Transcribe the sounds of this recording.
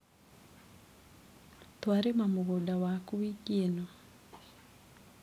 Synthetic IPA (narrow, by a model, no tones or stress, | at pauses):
t̪waɾemamoɣodawakuwikeno